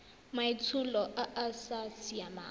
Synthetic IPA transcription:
mait͡sʰulɔʔaʔasasijama̰ː

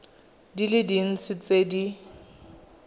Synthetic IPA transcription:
dilɪdin̩t͡sʰɪt͡sedi

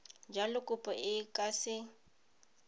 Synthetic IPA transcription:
d͡ʒalɪkʼʊpʼɔʔɪkʼasɪ

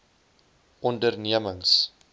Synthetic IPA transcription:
ʔɔndərniəməŋs

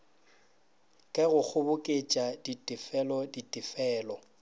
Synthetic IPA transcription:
kʼɛɣʊk͡xʰʊbʊkʼet͡ʃʼaditʼɪfɛlɔditʼɪfɛːlɔ

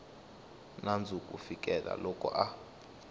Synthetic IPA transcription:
nand͡zʱukʼufikʼɛla̰lɔkʼɔ̰ʔa

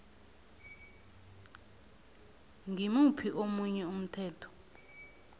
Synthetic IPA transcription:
ŋʱimupʰiʔomuɲɛum̩tʰɛːtʰɔ̥

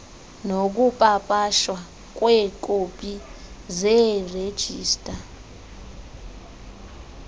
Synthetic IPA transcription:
nok̬upʼapʼaʃwa | k̬ʼwɛkʼopʼi | zɛred̥ʒ̥ʱiːstʼa

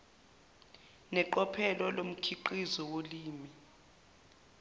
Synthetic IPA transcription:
nɛǃɔpʰɛlɔlom̩kʰiǃizɔwoliːmi

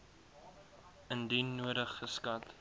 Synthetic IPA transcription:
əndinnuəɾəχːəskɐt

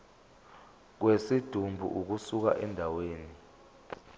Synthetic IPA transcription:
k̬wesid̥ʱumbʱṵʔuk̬usuk̬a̰ʔɛndʱaweːni

